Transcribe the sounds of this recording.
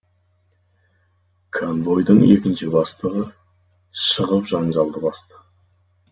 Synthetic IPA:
kʰanvo̞jd̪əɴe̞kʲɪnʃɪbɑst̪əʁə | ʃəʁəpʒɑnʒɑlˠd̪əbɑst̪ə̥

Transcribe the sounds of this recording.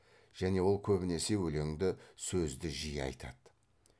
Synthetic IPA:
ʒ̥æne̞wo̞lˠkʲʰɵbɪne̞se̞wɵle̞ŋd̪ɪsɵzd̪ɪʒijɑ̰jt̪ʰɑ̰d̪̥

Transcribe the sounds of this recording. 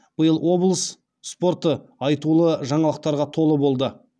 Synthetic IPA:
b̥əjəlˠwo̞blˠəs | spo̞ɾt̪əɑjt̪ulˠəʒɑɴɑlˠəq̚t̪ɑɾʁɑt̪ʰo̞lˠəbo̞lˠd̪ə

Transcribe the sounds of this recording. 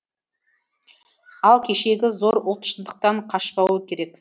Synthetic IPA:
ɑlˠkʲʰe̞ʃe̞ɡʲɪzo̞ɾʊlˠt̪ə̥ʃənd̪əq̚t̪ɑɴqʰɑʃpɑwuəkʲʰe̞ɾe̞k

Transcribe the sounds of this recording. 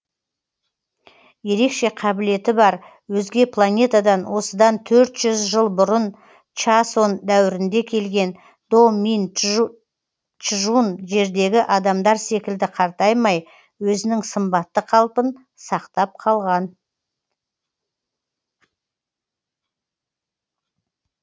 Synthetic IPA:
je̞ɾe̞kʃe̞qʰɑbɪle̞t̪ɪbɑɾ | wɵzɡʲe̞pʰlˠanʲe̞t̪ad̪ɑnwʔo̞səd̪ɑnt̪ʰɵɾt̪ʒ̥ʏzʒəlˠbʊɾən | t͡ʃaso̞nd̪æwɪɾɪnd̪e̞kʲʰe̞lɡʲe̞n | d̪̥o̞min | t͡ʃʒunʒe̞ɾd̪e̞ɡʲɪʔɑd̪ɑmd̪ɑɾse̞kʲɪld̪ɪqʰɑɾt̪ɑjmɑj | wɵzɪnɪŋsəmbɑt̪ːəqʰɑlˠpən | sɑqt̪ɑp̚qʰɑlˠʁɑn

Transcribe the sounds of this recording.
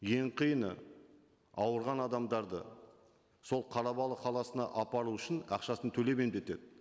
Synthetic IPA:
je̞ɴqʰijənə̰ | ɑwəɾʁɑnɑd̪ɑmd̪ɑɾd̪ə̰ | so̞lˠqʰɑɾɑbɑlˠəqʰɑlˠɑsənɑ̰ʔɑpɑɾuʏʃɪnɑqʃɑsənt̪ʰɵle̞me̞md̪e̞t̪e̞d̪ɪ

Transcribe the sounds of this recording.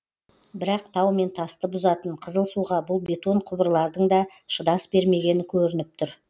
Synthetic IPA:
bɪɾɑq̚t̪ʰɑwme̞nt̪ʰɑst̪əbʊzɑt̪əɴqʰəzəlˠsuʁɑbʊlˠbe̞t̪o̞ɴqʰʊbəɾlˠɑɾd̪əɴd̪ɑ | ʃəd̪ɑsbe̞ɾme̞ɡʲe̞nɪkʲʰɵɾɪnɪp̚t̪ʰʊɾ

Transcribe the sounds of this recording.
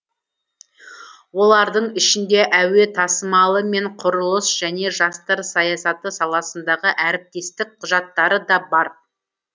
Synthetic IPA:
wo̞lˠɑɾd̪əɴɪʃɪnd̪e̞ʔæwe̞t̪ʰɑsəmɑlˠəme̞ɴqʰʊɾəlˠəsʒ̥æne̞ʒɑst̪ɑɾsɑjɑsɑt̪əsɑlˠɑsənd̪ɑʁəʔæɾɪp̚t̪e̞st̪ɪk̚qʰʊʒɑt̪ːɑɾəd̪ɑbɑɾ

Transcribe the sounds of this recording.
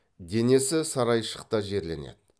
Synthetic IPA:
d̪e̞ne̞sɪsɑɾɑjʃə̥qt̪ɑʒe̞ɾle̞̰nḛd̪ɪ

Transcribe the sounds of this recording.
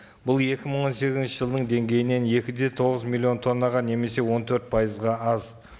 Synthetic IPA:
bʊlˠje̞kʲɪməɴwo̞nse̞ɡʲɪzɪnʃɪʒəlˠd̪əɴd̪e̞ŋɡʲe̞jɪne̞nje̞kʲɪd̪e̞t̪ʰo̞ʁəzmʲilʲːˠio̞nt̪ʰo̞nːɑʁɑne̞me̞se̞wo̞nt̪ʰɵɾt̪̚pʰɑjəzʁɑɑz

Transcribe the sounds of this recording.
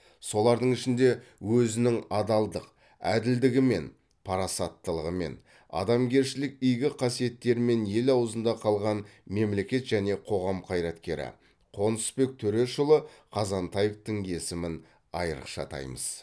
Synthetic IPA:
so̞lˠɑɾd̪əɴɪʃɪnd̪e̞wɵzɪnɪŋɑd̪ɑlˠd̪əq | æd̪ɪld̪ɪɡʲɪme̞̰n | pʰɑɾɑsɑt̪ːəlˠəʁəme̞̰n | ɑ̰d̪ɑmɡʲe̞ɾʃɪlɪk̚ijɡʲɪqʰɑsije̞t̪ːe̞ɾɪme̞nje̞lɑwəzənd̪ɑqʰɑlˠʁɑnme̞mle̞kʲe̞t̪ʒ̥æne̞qʰo̞ʁɑmqʰɑjɾɑt̪kʲe̞ɾɪ̰ | qʰo̞nəspe̞k̚t̪ʰɵɾe̞ʃʊlˠəqʰɑzɑnt̪ɑjeft̪əŋe̞sɪmɪn | ɑjəɾə̰qʃɑ̰t̪ʰɑ̰jmə̰z̥

